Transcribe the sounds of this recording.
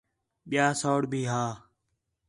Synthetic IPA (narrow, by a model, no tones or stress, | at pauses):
ɓɪjaːsoːɽbʱiːɦaː